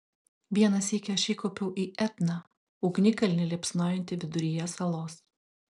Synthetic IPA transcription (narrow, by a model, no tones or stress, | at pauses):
ʋʲiɛnɐsiːkʲɛɐʃʲiːkopʲɛʊʔiːʔɛt̪nɐ | ʊɡnʲɪkɐlʲnʲɪlʲiɛpsnoːjɪnʲt̪ʲɪʋʲɪd̪ʊɾʲɪjɛsɐlˠoːs